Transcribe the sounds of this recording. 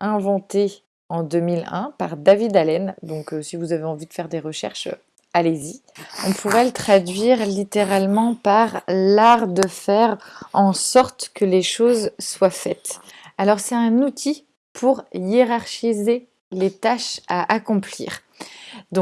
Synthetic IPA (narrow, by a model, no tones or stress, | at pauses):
ɛ̃vɑ̃t̪e | ɑ̃d̪ømilɛ̃paʁd̪avid̪alɛnd̪ɔ̃køsivuzaveɑ̃vid̪əfɛʁd̪eʁəʃɛ̰ʁʃø̰ | alezi | ɔ̃pʰuʁɛlət̪χad̪ɥiʁlit̪eʁalmɑ̃paʁlaʁd̪əfɛʁɑ̃sɔʁt̪kəleʃozswafɛt̪alɔʁsɛt̪ɛ̃nut̪ʰi | pʰuʁjeʁaʁʃize | let̪aʃaʔakɔ̃plḭːʁ | d̪ɔ̃